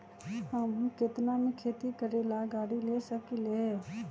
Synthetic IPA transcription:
həmkɪt̪namẽkʰeːt̪ikəɾeːlaɡaːɽileːsəkile

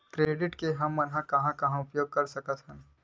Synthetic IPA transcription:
kɾeːɖɪʈkeɦɐmːɐnɦãkɐɦãkɐɦãʊpjoːɡ̚kɐɾsɐkət̪ɦɛ̃m

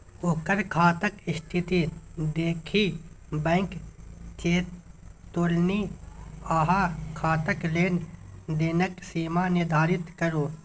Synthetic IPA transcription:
okəɾkʰaːt̪əkɪst̪ʰɪt̪id̪eːkʰi | bɛ̃ːŋkt͡ʃeːt̪ːoːlni | aɦakʰaːt̪əkleːnd̪eːnəksiːmanɪd̪ʱaːɾɪt̪kəɾoː

